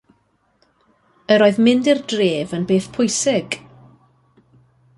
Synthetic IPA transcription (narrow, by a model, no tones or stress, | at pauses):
əɾoːɨðmɪndirdreːvənbeːθpʰʊjsɪɡ̥